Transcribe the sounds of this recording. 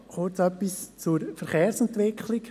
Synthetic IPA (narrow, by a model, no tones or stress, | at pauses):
kʊt͡sœpːist͡suɾfəɾχeːɾsɛnt̪ʋɪkʰlɪk